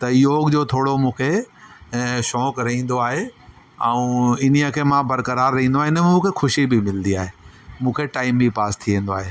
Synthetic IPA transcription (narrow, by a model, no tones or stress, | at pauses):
t̪ɐɪjoːɡd͡ʑoːt̪ʰoːɽomũːkʰe | ʃɔːkɾɐɦĩːn̆d̪oaːɦe | ɛ̃ũɪn̤iəkʰeːmãbɐɾkəɾaːɾːɐɦĩːnd̪oaːɦeɪnɛmũːkʰexʰʊʃibɪmɪlənd̪iaːɦeːmũːkʰeʈaːɪmipaːst̪ʰiʋẽːnd̪oaːɦeː